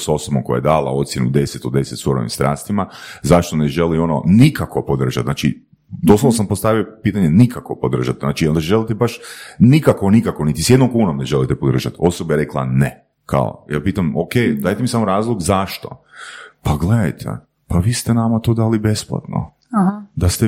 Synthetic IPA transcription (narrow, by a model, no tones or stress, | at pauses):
so̞sobomko̞ja̰jed̪aːla̰o̞t̪sjenṵd̪e̞set̪od̪d̪e̞set̪soɾo̰ʋḭmst̪ɾʔaːst̪imazaʃt̪oneʒelio̞nonikako̞pod̪r̩ʒat̪znaːt͡ʃḭ | d̪osloʋosampost̪aʋiopiːt̪aɲenikakopod̪r̩ʒat̪znaːt͡ʃio̞nd̪aʒelit̪ebaʃnikakonikakonit̪isje̞d̪nomkuːnomne̞ʒelit̪epod̪ɾr̩ʒat̪o̞sobajeɾe̞klˠa̰ne | kʰa̰o̰jaːpiːt̪amokejd̪aːjt̪emisamoɾaːzlˠoɡzaʃt̪opaɡled̪a̰jt̪ʰḛ | paʋiːst̪enamat̪od̪aːlibe̞splˠa̰t̪no̰ | d̪ast̪e